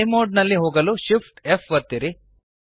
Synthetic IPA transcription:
jmoːɖnɐlːiɦoːɡɐluʃifʰʈefʋɐt̪ːiɾi

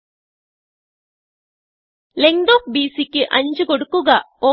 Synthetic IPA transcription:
leŋɖoːk̚biːsikːiʔɐɲd͡ʒuɡoɽukːuɡɐ | o

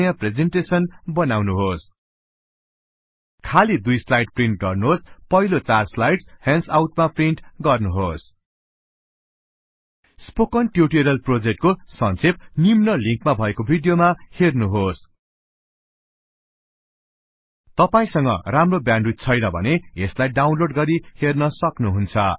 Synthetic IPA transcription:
japred͡zeɳʈesʌnbʌnawnuɦos | kʰalid̪ujslajɖ̚priɳʈ̚ɡʌrnuɦospʌɦilot͡sarslajɖshansawʈmapriɳʈɡʌrnuɦos | spokʌnʈjuʈiɾʌlprod͡zek̚ʈ̚kosʌnt͡sʰep̚nimnʌliŋkmabʱʌekobʱiɖjomahernuɦos | t̪ʌpaĩsʌŋɡʌ̰ramrobjanɖrut̪̚t͡sʰʌjnʌbʱʌ̰neeslajɖawnloɖɡʌɾihernʌsʌknuɦunt͡sʰʌ̰

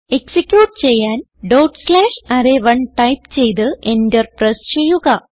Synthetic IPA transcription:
e̞ksikʲːjuːʈɨt͡ɕe̞jːaːn | ɖɐwʈslaːʂɐɾeʋɐɳʈɐjpt͡ɕe̞jt̪ɨendɐrprest͡ɕe̞jːuɣɐ

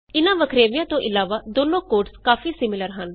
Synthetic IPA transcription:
ɪnãːʋəkʰɾeːʋɪjãːt̪õːʔɪlaːʋaːd̪oːnõːkoːʈskaːfʰiːsɪmɪləɾɦən

